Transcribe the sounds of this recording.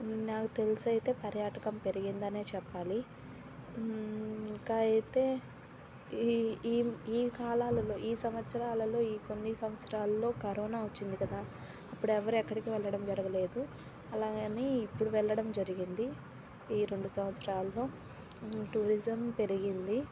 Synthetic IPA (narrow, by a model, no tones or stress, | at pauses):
naːkut̪e̞lisɐjt̪e̞ːpɐɾjaːʈɐkɐmpe̞ɾiɡind̪ɐne̞ːt͡ʃɛpːaːli | kajɐjt̪eː | iːkaːlaːlɐlo̞ːʔiːsɐmɐt̪sɐɾaːlɐlo̞ːiːko̞nːisɐmʋɐt̪sɐɾaːlɐlo̞ːkɐɾɔːnaːot͡ʃːind̪ikɐd̪aː | ɐpːuɽɛʋɐɾɛkːɐɽikiʋɛɭːɐɽɐmd͡ʒɐɾɐɡɐle̞ːd̪u | ɐlaːɡneːipːuɽuʋɛɭːɐɽɐmd͡ʒɐɾiɡind̪i | iːɾe̞ɳɖusɐmʋɐt̪sɐɾaːlɐlo̞ː | ʈuːɾizɐmpe̞ɾiɡind̪i